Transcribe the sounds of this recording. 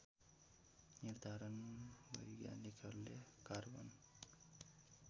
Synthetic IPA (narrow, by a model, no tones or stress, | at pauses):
niɾd̪ʱaːɾɐnʋɐ̰jɡja̰ːnikʰɐlːekaɾʋɐ̰n